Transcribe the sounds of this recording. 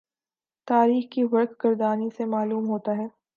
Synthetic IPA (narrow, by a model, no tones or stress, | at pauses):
t̪aːɾiːxkiʋɐɾkɡɐɾd̪aːnisemaːluːmɦoːt̪aɦɛː